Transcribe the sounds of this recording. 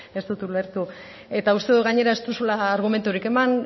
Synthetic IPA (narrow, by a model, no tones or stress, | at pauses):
e̞st̪ut̪ule̞ɾt̪u | e̞t̪aust̪e̞ðuɣaɲe̞ɾae̞st̪usulaːɾɣ̞ume̞nt̪uɾike̞man